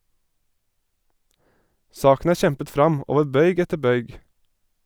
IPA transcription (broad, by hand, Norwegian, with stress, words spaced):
ˈsɑːkn̩ ˈæː ˈʃɛmpət ˈfɾɑm ˈoːʋə ˈbœʏɡ ˈɛtə ˈbœʏɡ